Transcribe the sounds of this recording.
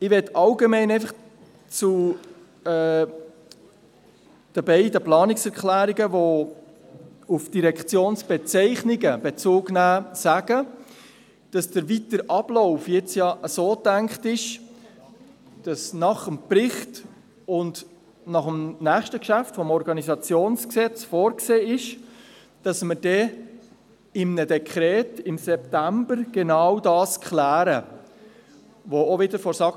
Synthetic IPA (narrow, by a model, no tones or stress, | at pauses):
ɪʋɛtɑlɡemɛnɛɪfəχ | t͡su | ɛː | d̥əbɛɪdəplɑːnɪksɛɾkχlæːɾiɡəvo | ufd̥iɾɛkχt͡sjoːnsb̥ɛt͡sɛɪχnɪɡəb̥ɛt͡suːɡnæːsæɡ̥ə | d̥ɑsd̥əɾvitəɾʔɑb̥lɔʊfjɪt͡sjɑʔəsoːtæŋkχtɪʃ | d̥ɑsnɑχəmprɪχt | ʊnd | nɑχəmnæːχʃtəkʃæftfɔmɔɾɡɑnizɑt͡sjoːnsksɛt͡sfoːɾkseːɪʃ | d̥ɑsməɾd̥ɛ | ɪmnədɛkʰχɾɛːtɪmsɛptæmbəɾɡ̥enawdɑːskʰχlæːɾə | ʋoovɪdəɾfɔɾsɑ